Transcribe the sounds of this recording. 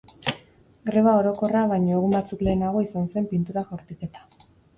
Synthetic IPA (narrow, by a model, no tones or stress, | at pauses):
ɡɾe̞βao̞ɾo̞ko̞raβ̞ajɲoeɣ̞umbat͡sukle̞ːnaɣ̞o̞isanse̞mpint̪uɾaxoɾt̪uket̪ḁ